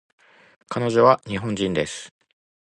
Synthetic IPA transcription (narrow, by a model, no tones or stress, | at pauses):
kano̞ʑo̞βaɲ̟iɦõ̞ɲ̟d͡ʑĩnd̪e̞sɨ̥